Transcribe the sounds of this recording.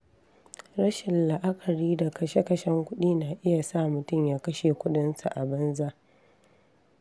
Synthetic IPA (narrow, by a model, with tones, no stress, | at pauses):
ɾɐ˦ʃɪ˨nla˨ʔa˦kʰɐ˨ɽiː˦da˨kɐ˦ʃe˦kɐ˨ʃɛ˦ŋkʷʊ˦ɗiː˦na˨ʔɪ˦ja˨sa˦mʊ˨tʊ˦˨mjaː˦kɐ˦ʃe˨kʷʊ˦ɗɪ˦nsa˨ʔa˨bɐ˦nza˦ʔ